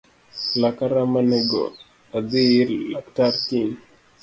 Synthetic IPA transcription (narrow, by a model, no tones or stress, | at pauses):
lakaɾamanɛɡo̰ | adiɾlaktaɾkiŋ